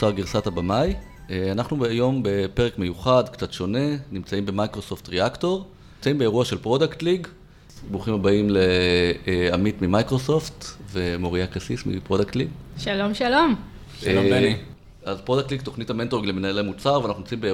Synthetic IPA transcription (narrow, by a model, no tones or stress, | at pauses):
t͡saʁɡiʁsatabamaj | eanaχnubajo̞mbe̞pe̞ʁekme̞juχadkt͡satʃo̞ne̞nimt͡saimbe̞majkʁo̞softʁeakto̞ʁ | imt͡saimbeeʁuaʃe̞lpʁo̞daktliɡ | buχimabaimle | amitmimajkʁoso̞ftve̞mo̞ʁiakasismḭpʁodaktliɡʃalomʃalom | azpʁo̞daktliɡto̞χnitame̞ntoiɡlemenaelemut͡saʁvanaχnuimt͡saimbe